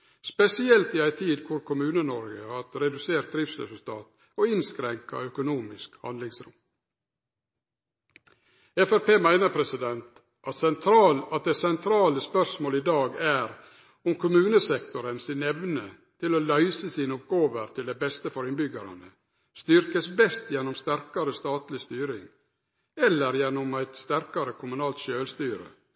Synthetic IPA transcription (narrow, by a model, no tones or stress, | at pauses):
spɛsɪɛlt̪ɪæɪt̪ʰiːd̪kʰʊɾkʰʊmʉːnənɔɾɡəhɑɾɛd̪ʉseːɾʈ̪̚d̪ɾɪfsɾɛ̰sʉlt̪ʰɑːt̪ | oɪnskɾɛŋkɑ̰œkʊnuːmɪskhɑ̰nd̪lɪŋsɾʊ̰m | ɛfæɾpeːmæɪnəɾpʰɾɛsɪd̪ɛnt̪ | ʔɑt̪sɛnt̪ʰɾɑːlɑt̪̚d̪æsɛnt̪ʰɾɑːləspœʂmoːlid̪ɑːɡæːɾ | ʊmkʰʊmʉːnəsɛkt̪ʊɾənsɪnɛʋnə | t̪ʰɪloːlœʏsəsiːnəʊp̚ɡoːʋəɾt̪ʰɪld̪æɪbɛst̪əfɔɾɪnbʏɡɑɾɑ̰nə | st̪ʏɾkəsbɛst̪jɛnːʊmst̪æɾkɑɾəst̪ɑːt̪lɪst̪yːɾɪŋ | ɛlːəɾjɛnːʊmæɪt̪st̪æɾkɑɾəkʰʊmʉnɑːlt̪ʃøːlst̪yːɾə̰